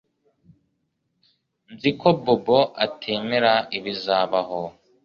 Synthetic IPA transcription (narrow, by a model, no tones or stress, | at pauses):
nzikoboboʔatʰeːmeɾaiβizaːβaɦo